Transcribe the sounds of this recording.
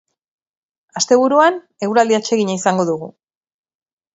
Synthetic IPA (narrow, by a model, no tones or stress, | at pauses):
ast̪e̞β̞uɾuan | e̞ɣwɾald̪iat͡ʃe̞ɣiɲaisaŋɡo̞ðuɣu